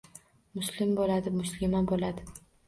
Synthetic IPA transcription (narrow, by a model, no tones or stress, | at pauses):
mʊslɪmbolad̪ɪmʊslɪmabolad̪ɪ